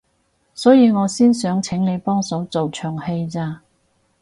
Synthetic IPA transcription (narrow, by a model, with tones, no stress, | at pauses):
sɔː˨˥jiː˧ŋɔː˨˧siː˥nsœː˨˥ŋt͡sʰɪ˨˥ŋne˨˧jpɔː˥ŋsɐ˨˥wt͡so˨wt͡ʃʰœː˨˩ŋhe˧jt͡saː˧